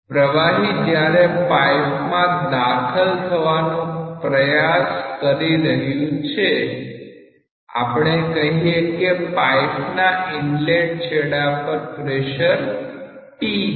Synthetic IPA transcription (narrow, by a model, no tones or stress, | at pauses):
pɾəʋaɦid͡ʒjaɾepaipmãd̪akʰəlt̪ʰəʋanũpɾəjaskəɾiɾəɦjũt͡ʃʰe | a̰pɳ̃ekəɦiekepaipnaiɳleʈ̚t͡ʃʰeɽapəɾpɾeʃəɾ | pi